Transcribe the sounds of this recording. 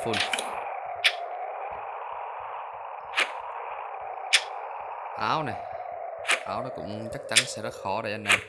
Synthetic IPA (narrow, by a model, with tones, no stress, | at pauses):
u˧˩n | ʔaː˨˦wna˨˩j | ʔaː˨˦wnɔ˨˦˥kʊ̰˧˥ŋ͡mt͡ɕa˦˥k̚t͡ɕa˨˦nsɛ̰˧˥zə˦˥t̚xɔ˧˩ɗa̰ː˨˩ʔa˧nːa˨˩j